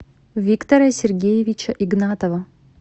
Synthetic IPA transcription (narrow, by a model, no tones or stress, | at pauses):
vʲikt̪ɐɾəsʲɪrɡʲejɪvʲɪt͡ɕɐʔiɡnat̪əvə